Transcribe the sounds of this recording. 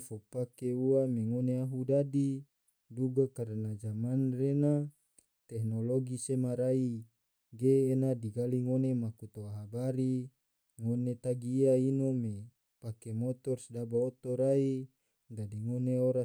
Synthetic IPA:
fopakeuameŋoneaɦudadi | duɡakaɾənad͡ʒamanrena | t̪ɛknoloɡisemaɾai | ɡeːnadiɡaliŋonemakut̪oaɦabaɾi | ŋonet̪aɡiːainome | pakemot̪ɔrsdabaot̪oɾai | dadiŋoneoɾa

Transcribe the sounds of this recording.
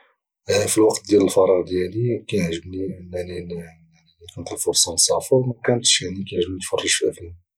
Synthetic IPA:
filwɑqt̪̚d̪jæləlfɑɾˤɑɣd̪jælikæjəʕʒəbninːælil | nikʊnət̪əlfoɾsˤɑmsˤɑfɑwmækænt̪ʃjaʕnikæjəʕʒəbnit̪fərˤːiʃfæfiæ

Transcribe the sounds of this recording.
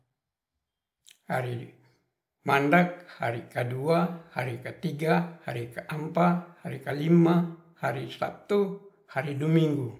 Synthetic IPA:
haɾi | mandak̚ha̰ɾikaduahaɾikət̪iɡahaɾikaʔampahaɾikalima | haɾisa̰p̚t̪u | haɾiduamiŋɡu

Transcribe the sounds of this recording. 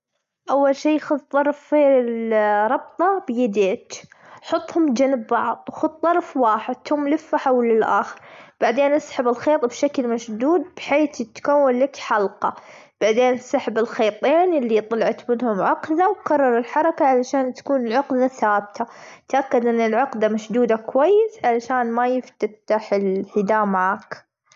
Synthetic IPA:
ʔawːalʃiːxʊðt̪ˤːɑɾˤfilɾˤɑb̚t̪ˤɑbjad̪eːt̪ħʊt̪ˤːhʊmd͡ʒanɪbːɑʕðˤwxʊdt̪ˤːɑɾˤfwaːħɪd̪̚t̪hʊmlɪfːaħawlːɪlʔaːxɪɾb̥aʕd̪eːnʔasħɪbɪlxeːt̪ˤbʃaklmaʃd̪uːd̪̚bħeːθɪt̪kawːalːakħɑlqɑ | b̥aʕd̪eːnʔsaħɪbɪlxeːt̪ˤːeːnʔɪlːit̪ˤɑlɑʕɑt̪mɪnhʊmʕʊqðawkɑrˤːɑɾˤɪlħɑɾˤɑkaʕalaʃaːnt̪ḁkuːnɪlʕʊqðaθaːbt̪ʰat̪ʔakːad̪ʔɪnːɪlʕʊqd̪amaʃd̪uːd̪akwajːɪsʕalaʃaːnmajɪft̪at̪aħɪlhɪd̪aːʔmaʕaːk

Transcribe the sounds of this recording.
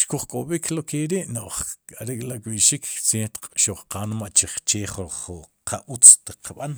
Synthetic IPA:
ʃkuχkʼoɓikʰlokeɾiʔnoʔχkʼaɾikʼlakʼɓiʃikt͡seːt̪qʼʃoʔχqanmaʔt͡ʃiχt͡ʃeːχoχqʰaʔut͡st̪iqʰaɓan

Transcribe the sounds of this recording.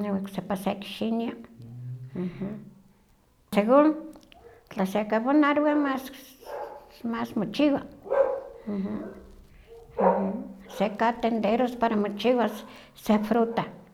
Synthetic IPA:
ɲewaksepasekʃinja | ah̩ | seɣuŋ | t͡ɬasekaβonaɾwamas | masmot͡ʃiwa | h̩ | hsekat̪end̪eɾospaɾamot͡ʃiwas | sefɾut̪a

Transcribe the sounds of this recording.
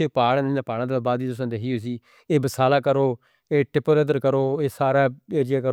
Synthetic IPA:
paːɽãːɪːnãːpaːɽãːd̪aːbaːd̪iːt̪ʊs̬ãːd̪eɦiːoːs̬iː | eːbəsaːlaːkəɾoː | eːʈɪpəɾəd̪əɾkəɾoːeːsaːɾaːeːɾɪjaːkəɾ

